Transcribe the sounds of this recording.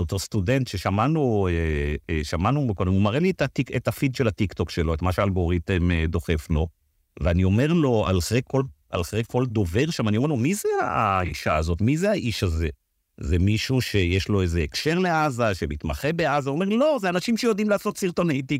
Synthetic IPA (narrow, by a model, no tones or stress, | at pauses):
ot̪ost̪ude̞nt̪ʃeʃamanueʃamanukod̪emumaʁelitatiketafid̪ʃelat̪ikt̪o̞kʃelo̞et̪maʃealɡo̞ʁit̪emed̪o̞χe̞flo̞ | veanio̞me̞ʁlo̞a̰lχekːol | a̰lχʁekʰːo̞ld̪o̞ve̞ʁʃamanimelomizea̰iʃaazo̞t̪mizeaʔiʃaze̞ | zemiʃuʃe̞jeʃlo̞ezeːkʃe̞ʁleazaʃemit̪maχebe̞azaomeʁlo̞zeanaʃimʃejod̪imlaːso̞t̪siʁt̪o̞nejt̪i